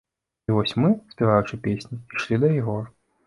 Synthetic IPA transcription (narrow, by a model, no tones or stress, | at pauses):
ivɔsʲmɨspʲiɣajut͡ʂɨpʲesʲnʲiiʂlʲid̪ɐjiɣɔr